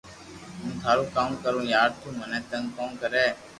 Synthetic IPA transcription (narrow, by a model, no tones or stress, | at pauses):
ɦũːt̪ʰaːɾuːkaːmkəɾũːjaːɾt̪ʰuːmənɛ̃ːt̪ə̃ŋɡkoːnkəɾeː